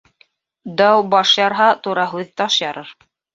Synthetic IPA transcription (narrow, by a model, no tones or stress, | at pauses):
d̪ɑwbɑʃjɑɾɦɑt̪uɾɑɦʉðt̪ɑʃjɑɾɤɾ